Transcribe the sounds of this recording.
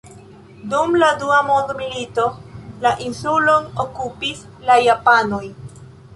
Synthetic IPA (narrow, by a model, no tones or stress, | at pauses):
dumladuamondmilito̞laʔinsulo̞nokupis | lajapanoj